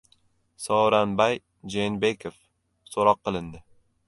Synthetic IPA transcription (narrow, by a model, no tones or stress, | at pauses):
sɒwɾanbaj | d͡ʒenbekʰof | soɾɒqːɨlˠɪnd̪ɪ